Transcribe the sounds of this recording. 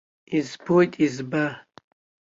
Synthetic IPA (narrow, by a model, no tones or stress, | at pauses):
izbojtʼizbɐ